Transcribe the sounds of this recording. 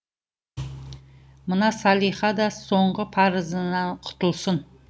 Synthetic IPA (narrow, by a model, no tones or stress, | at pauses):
mənɑsɑlˠijχɑd̪ɑso̞ɴʁəpʰɑɾəzənɑɴqʰʊ̥t̪əlˠsən